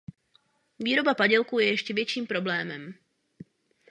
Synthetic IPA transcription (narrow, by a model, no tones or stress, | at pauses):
viːɾobapaɟɛlkuːjɛjɛʃcɛvjɛt͡ʃiːmpɾoblɛːmɛm